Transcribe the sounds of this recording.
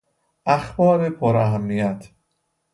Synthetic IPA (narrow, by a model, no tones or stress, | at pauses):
ʔæxbɒːɾepʰoɾæɦæmːijæt̪ʰ